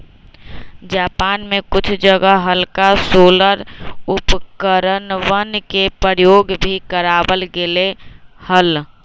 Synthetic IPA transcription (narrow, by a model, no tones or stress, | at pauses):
d͡ʒaːpaːnmẽkʊt͡ʃʰd͡ʒəɡəɦəlkasoːləɾʊpkəɾənʋənkepəɾjoːɡbʱikəɾaːbəlɡelehəl